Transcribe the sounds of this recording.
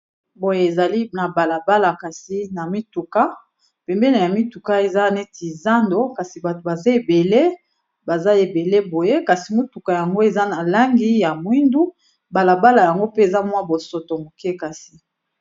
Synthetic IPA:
bo˨je˦e˨za˨li˦na˨ba˨la˨ba˦la˨ka˨si˨na˨mi˦tu˨ka˦ | pɛ˨mbɛ˦le˨na˨mi˦tu˨ka˦e˨za˦nɛ˦tʰi˨za˦ndo˦ka˨si˨ba˨to˨ba˨za˦e˨be˨le˦ | ba˨za˦e˨be˨le˦bo˨je˦ka˨si˨mu˦tu˨ka˨ja˨ŋɡo˦e˨za˦na˨la˦ŋɡi˦ja˨mwi˦ndu˦ | ba˨la˨ba˦la˨ja˨ŋɡo˦pe˦e˨za˦mwa˦bo˨so˨to˨mo˨kɛ˦ka˨si˨

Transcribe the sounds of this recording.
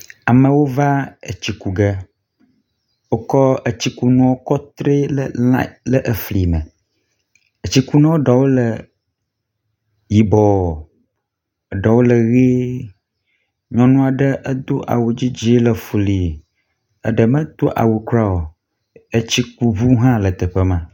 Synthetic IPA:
a˨mə̃˨wo˦va˦ə˨t͡ɕi˨ku˨ɡə˦ | wo˦kɔ˦ə˨t͡ɕi˦ku˨nũ˦wo˦kɔ˦t̪ɾe˦lə˦la̰˦lə˦ʔə˨fli˨mə˨ | ə˨t͡ɕi˦ku˦nã˦wo˦ɖa˨wo˦lə˨ | ji˨bɔ˨ | ə˨ɖa˨wo˦lə˨ɣe˦ | ɲɔ̃˦nũ˦a˨ɖə˦ʔə˦d̪o˦ʔa̰˨wu˨d͡ʑi˦d͡ʑi˦lə˨fu˨li˨ | ə̰˦ɖə˨mə̃˦d̪̥o˦ʔa̰˨wu˨kɾa˦wo˨ | ə˨t͡ɕi˦k̚u˨βu˦ɦã˦lə˨t̪ə˨ɸə˦mã˨

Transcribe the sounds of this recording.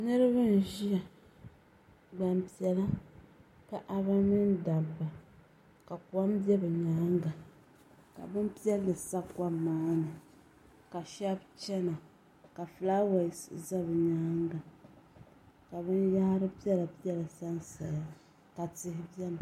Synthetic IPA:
nɨ˦ɾɨ˦βɨ˦n˨ʒi˦ja˨ | ɡ͡ba˨mpi˨ɛ˨la˦ | ka˨ʔa˨βa˦nɨ˦nda˨bːa˨ | ka˨kwa˦mbi˦ɛ˦bɛ˨ɲaː˦ŋɡa˨ | ka̰˨bɨ˦m˦pi˦ɛ˦lːɨ˨sa˦kːa˦maː˦nɨ˨ | ka˨ʃa˦bt͡ʃɛ˦na˨ | ka˨fla˦wa˨sza˦bɨ˨ɲaː˦ŋɡa˨ | ka˨βɨ˦nja˦ha˦ɾɨ˦pi˦ɛ˦la˨pi˦ɛ˦la˨sa˦n˦sa˨ja˦ | ka˨tɪ˨hɪ˦bi˦ɛ˦a˨

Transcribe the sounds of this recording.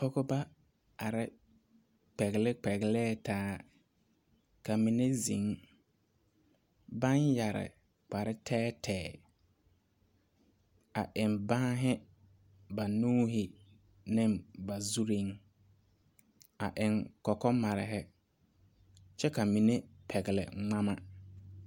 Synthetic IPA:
pɔ˦kɔ˦ba˦ | a˨ɾɪ˦ | k͡pɛ˨ɣlɪ˦k͡pɛ˨ɣlɛː˦tʰaː˦ | ka˨mi˨ne˦zḭ̃˨˦ŋ | ba˦nja˨ɾɪ̰˨ | k͡pa˨ɾɪ˦tʰɛː˦tʰɛː˨ | a̰˨ʔɪ˨mba˦ɦɪ˦ | ba˨nuː˦ɦɪ˨ | nɪ˦mba˨zu˦ɾi˦ŋ | a˨ʔɪ˨ŋkɔ˨kɔ˦ma˨ɾɪ˨ɦɪ˦ | t͡ʃɛ˦ka˨mi˨ne˦pʰɛ˨ɡɪ˨lɪ̰˨ŋ͡ma˦ma˦

